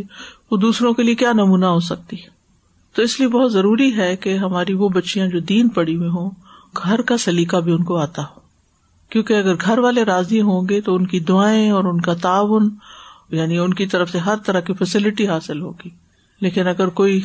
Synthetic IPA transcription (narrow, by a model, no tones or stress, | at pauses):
ʋod̪uːsɾõkeliekjaːnɐmuːnaɦoːs̬ɐk̚t̪i | t̪oɪsliebɐɦʊt̪zɐɾuːɾiɦɛkeɦɐmaːɾiʋobɐtːʃijãd͡ʒoːd̪iːnpɐɽiʋẽɦõːɡʱɐɾkasɐliːkabʱiʊnkoaːt̪aɦoː | kjõːkeɐɡəɾɡʱɐɾʋaːleɾaːzĩɦõːɡet̪oʊnkid̪ʊaːẽɔːɾʊnkat̪aːʋʊnjaːniʊnkit̪ɐɾəfseɦɐɾt̪ɐɾakifɛsɪlɪʈiɦaːsɪlɦo̰ːɡiː | leːkɪnɐɡəɾkoːi